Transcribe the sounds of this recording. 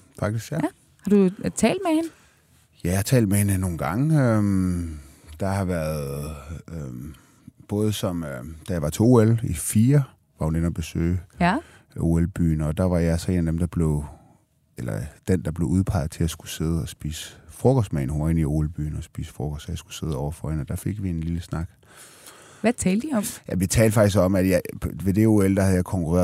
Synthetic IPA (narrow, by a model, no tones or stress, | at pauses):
fɑ̈ɡ̥̚d̥isɡ̥jæ | hɑ̈d̥ut͡sʰɛ̰ːld̥mehenə | jæhɑt͡sʰɛ̰ːld̥̚mehe̝nəno̝ːn̩ɡ̥ɑ̈ŋəøm | d̥ɑ̈hɑ̈ʋæɐð̩ˠøm | b̥ɔ̽ːðˠsɒ̽mød̥æjɑ̈ʋɑ̈t͡sʰe̝oːelifiːɐ | ʋɑ̈hunenɒb̥e̝sø̰ːɪ | o̝ːelb̥y̰ːn̩ɒ̽d̥ɑ̈ʋɑ̈jɑsɒe̝ːnæd̥emd̥ɑ̈b̥le̝ʊ | elɐ̰d̥end̥ɑ̈b̥le̝ʊuð̞ˠpʰɑ̈ɪð̞̩ˠt͡sʰe̝læsɡ̥u̥se̝ð̞ˠəɒ̽sb̥ḭːsə̥fʁɔɡ̥ʰɒsd̥mɛ̰ɪnhunɐe̝nio̝elb̥y̰ːnɒsb̥ḭːsə̥fʁɔɡ̥ɒsjɑsɡ̥u̥se̝ð̞ˠɒʊ̰ɐfɒ̽enɒ̽d̥æfe̝ɡ̥ʋie̝nliləsnɑ̈ɡ̥ | ʋæt͡sʰɛːl̥iɒ̽mjæʋit͡sʰɛːld̥əfɑ̈ɡ̥isɡ̥ɒ̽mæd̥jɑʋe̝d̥e̝o̝eld̥ɑhæð̩ˠjɑkʰɒ̽ŋkʰuʁa̰ɐ